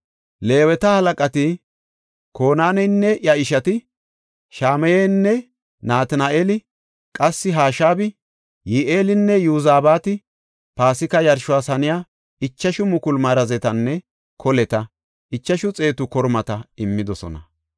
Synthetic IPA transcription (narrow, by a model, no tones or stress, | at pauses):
le̞ːwɛt̪ɐhɐlɐkʼɐt̪ɪ | ko̞ːnaːnɛnːɛʔjɐɪʃɐt̪ɪ | ʃaːmɛjeːnːɛ | naːt̪naʔeːlɪ | kʼɐsːɪɦaːʃaːbɪ | jiːʔeːlɪnːɛjuzaːbaːt̪ɪ | paːsɪkɐjɐɾʃʊwaːsɐnɪjaː | ɪt͡ʃːɐʃʊmʊkʊlmɐɾɐzɛt̪ɐnːɛ | kʰɔlɛt̪ɐ | ʔɪt͡ʃːɐʃʊt͡sʼe̞ːt̪ʊkɔɾmɐt̪ɐɪmːɪd̪ɔsɔ̰nɐ̰